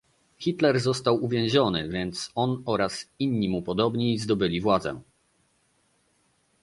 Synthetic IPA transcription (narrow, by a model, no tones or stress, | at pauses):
xʲit̪lɛɾzɔst̪awuvʲjɛ̃w̃ʑɔnɘ̰vʲjɛnt̪sɔnɔɾasiɲːimupɔd̪ɔbɲizd̪ɔbɘlʲivwad̪zɛ̰